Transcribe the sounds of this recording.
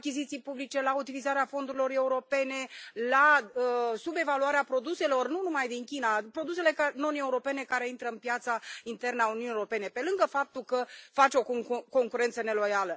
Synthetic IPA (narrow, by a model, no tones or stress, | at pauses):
akʲizit̪sijpublit͡ʃe̞laut̪ilizaɾeafo̞nd̪uɾilo̞re̞uɾo̞pe̞ne̞la | sube̞valuaɾeapɾo̞d̪use̞lo̞rnunumajd̪iŋkʲinapɾo̞d̪us̬e̞le̞kano̞ne̞uɾo̞pe̞ne̞kaɾe̞int̪ɾəɨnpjat̪saint̪e̞rnəaununieɾo̞pe̞ne̞pe̞lɨŋɡəfap̚t̪ulkəfat͡ʃeoko̞ŋkuɾe̞nt̪səne̞lo̞jalə